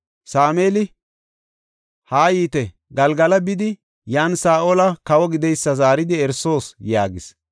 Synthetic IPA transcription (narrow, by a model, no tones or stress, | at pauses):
saːme̞ːlɪ | haːjiːt̪ɛ | ɡɐlɡɐlɐbɪd̪ɪ | jaːnsaːʔoːlɐkɐwɔɡɪd̪ɛjsːɐzaːɾɪd̪ɪɛɾso̞ːsjaːɡɪs